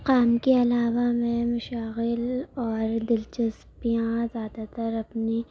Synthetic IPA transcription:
qaːmkeɐlaːʋamẽmɐʃaːɣɪlɔːɾd̪ɪlt͡ʃɐs | pijãzjaːd̪at̪ɐɾɐpni

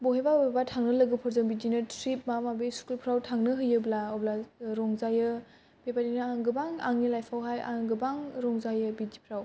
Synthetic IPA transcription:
bɔɦebabatʰaŋnɯlɐɡɯpʰɔɾzɯŋbidinɯtɾip̚mamabeskulpʰɾawtʰaŋnɯɦɯjɯblaoblaɾɔŋzajɯ | b̥epadinɯaŋɡɯbaŋa̰ŋnilajpʰawɦaja̰ŋɡɯbaŋɾɔŋzajɯbidipʰɾaw

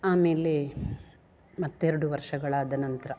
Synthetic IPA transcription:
aːme̞ːle | mɐt̪ːeɾɐɽuʋɐɾʂɐɡɐɭaːd̪ɐnɐnt̪ɐɾɐ

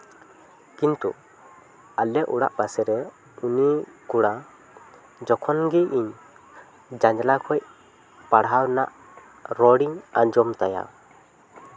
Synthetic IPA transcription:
kint̪ṵ | alɛʔuɽa̰ʔbasɛɾɛ | unikuɽa | d͡ʒɔkʰɔnɡiʔiɲ | d͡ʒaɲd͡ʒlakʰɔj | paɽɦawnaʔ | ɾɔɽiŋaɲd͡ʒɔmt̪aja̰

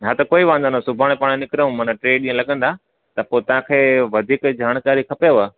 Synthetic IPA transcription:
nat̪ɐkoːiʋãə̃nd̪anasʊbʱaːɽ̃paːɽ̃nɪkɾəũmɐ̃nãʈɾeːɗĩːə̃lɐɠə̃nd̪a | t̪ɐpoːt̪ɐʋ̤ãkʰeːʋɐd̪ʱiːkd͡ʑaːɽ̃kaːɾikʰɐpeʋa

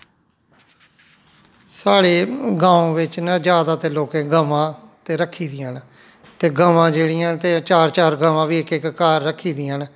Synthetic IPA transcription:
saːɽeːɡãːõːʋɪt͡ʃnãd͡ʒjaːd̪aːt̪eːloːkẽːɡəʋãːt̪eːɾəkʰːiːd̪ɪjãːn | t̪eːɡəʋãːd͡ʒeːɽɪjãːnt̪eːt͡ʃaːɾt͡ʃaːɾɡəʋãːʋiːɪkɪkːaːɾːəkʰːiːd̪ɪːãːn

